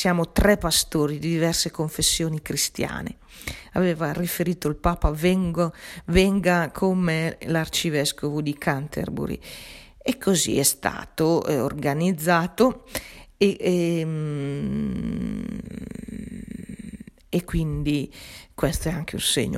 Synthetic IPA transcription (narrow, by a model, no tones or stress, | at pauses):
sjaːmot̪ɾɛpːast̪oːɾid̪id̪ivɛrsekoɱfesːjoːnikɾist̪ja̰ːnḛ | a̰vɛːvarifeɾiːt̪oilpaːpavɛŋɡovɛŋɡakʰomelart͡ʃivɛskovud̪ikʰant̪ḛrbṵɾḭ | ekʰːozḭɛst̪a̰ːt̪oo̰rɡanid̪zːaːt̪o | e | ekːwind̪ikwɛst̪oɛaŋk̟ʰeṵnsḛɲːo̰